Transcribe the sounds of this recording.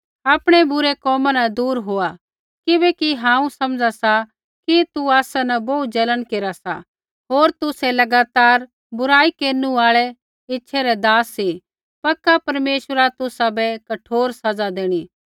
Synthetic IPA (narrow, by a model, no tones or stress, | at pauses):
aːpɽ̃ebʊɾekɔːmãnɐd̪uːɾɦoːa | kɪbɛkiɦãːũsɐmd͡ʒasa | kit̪uaːsanɐbɐut̪̚d͡ʒɐlənkeːɾasa̰ | ɦoːɾt̪ʊsɛlɐɡaːt̪aːɾ | bʊɾaːikeːɾnũaːɭɛ | ɪtːʃʰɛɾɛd̪aːsːi | pɐkːapɐɾmeːʃəɾat̪ʊsabɛkɐʈʰoːɾsɐd͡zad̪eːɽ̃iː